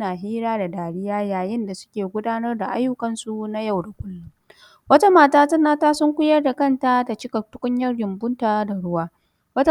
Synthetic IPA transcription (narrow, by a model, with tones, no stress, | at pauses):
naː˨ɦiː˦ɾaː˦da˨daː˨ɽɪ˦jaː˦jaː˨jɪ˦nda˨sʊ̥˦kʲeː˨ɡʷʊ˦daː˦nɐ˦rda˨ʔa˦jːʊ˦kɐ˨nsu˦na˦ja˦˨wda˨kʷʊ˦lːʊ˦ŋ | wɐ˦ta˦maː˦˨taː˦tɐ˦nːaː˦taː˦sʊ˦ŋkʷʊ˦jɐ˦rda˨kɐ˦˨nta˦da˨t͡ʃɪ˦kɐ˨tʊ˦kʷʼʊ˦ɲjɐ˦rjɪ˨mbʊ˦ntaː˨da˨ɽʊ˦waː˦ | wɐ˦t